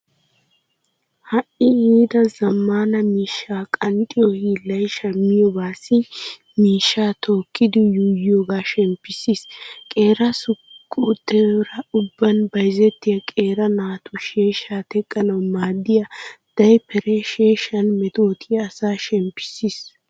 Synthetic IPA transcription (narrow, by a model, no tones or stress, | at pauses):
hɐʔɪiːd̪ɐzɐmːaːnɐmiːʃːaːkʼɐnt̪ʼɪjohiːlɐjʃɐmːɪjɔbaːsɪ | miːʃːaːt̪ʰoːkːɪd̪ɪjuːjjoːɡaːʃɛmpːɪsiskʼe̞ːɾɐsʊkʼːuːt̪ːɛɾɐʊbːɐnbɐjzɛt̪ːɪjɐkʼe̞ːɾɐnaːt̪ʊʃeːʃaːt̪ɛkʼːɐnɐwmaːd̪ːɪjɐd̪̥ɐjpɛɾeʃeːʃɐnmɛt̪o̞ːt̪ʰiɐsaːʃɛmpːɪ̥sis